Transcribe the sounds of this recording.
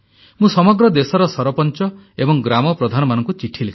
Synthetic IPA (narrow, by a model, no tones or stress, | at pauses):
mũsɔmɔɡɾɔd̪esɔɾɔsɔɾɔpɔnt͡ʃɔ | ebɔŋɡɾamɔpɾɔd̪ʱanɔmanɔŋkut͡ʃiʈʰilekʰ